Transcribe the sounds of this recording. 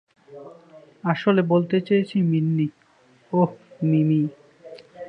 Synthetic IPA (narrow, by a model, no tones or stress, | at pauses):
aʃolebolt̪et͡ɕajet͡ɕʰiminːi | omimi